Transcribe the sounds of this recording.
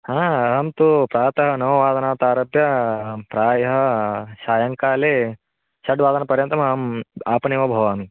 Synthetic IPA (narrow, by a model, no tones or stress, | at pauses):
ɦãːɐɦɐmt̪upɾaːt̪ɐɦɐnɐmɐʋaːd̪ɐnaːt̪aːɾɐpjɐpɾaːjɐɦɐʃaːjɐŋkaːleː | ʃɐɖʋaːd̪ɐnɐpɐɾjɐnt̪ɐmɐɦɐmaːpɐɳejmɐbʱɐʋaːm